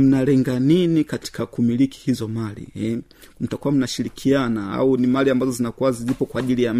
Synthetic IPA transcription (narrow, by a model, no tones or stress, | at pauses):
m̩nalɛŋɡaninikati̥kakumiliki̥hizɔmalḭɛ | m̩takuwam̩naʃilikʰianaa̰unimaliambazɔzinakuwazizipɔkwaːʄilijam